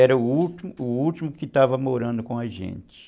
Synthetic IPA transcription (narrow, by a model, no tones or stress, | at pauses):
ɛɾɐʊut̪imʊːuwt͡ʃimʊkɪt̪avɐmoɾɐ̃nd̪ʊkõɐʒḛ̃nt͡ʃɪ̥